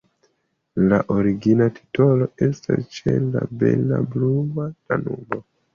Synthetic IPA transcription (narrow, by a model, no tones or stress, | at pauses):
laʔoɾiɡinatʰi̥to̞lo̞e̞stast͡ʃelabe̞lablumatanumo